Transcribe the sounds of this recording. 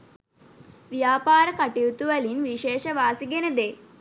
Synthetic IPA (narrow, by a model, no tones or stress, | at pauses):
ʋjaːpaːɾɐkɐʈiʋut̪uʋɐlinʋiʃeːʃɐʋaːsiɡenɐd̪eː